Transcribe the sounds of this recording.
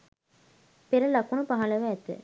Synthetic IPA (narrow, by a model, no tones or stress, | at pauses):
peɾɐlɐkunupaɦɐlɐʋæːt̪ɨ̰